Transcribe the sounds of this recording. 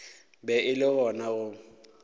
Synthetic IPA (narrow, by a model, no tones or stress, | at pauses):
bɛʔɪlɪɣɔnaʊ